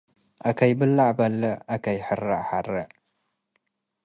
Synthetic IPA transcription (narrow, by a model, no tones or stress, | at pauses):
ʔakʰɐjbɨlːaʕbɐlːɐakʰɐjħɨraʕħaɾɐʕ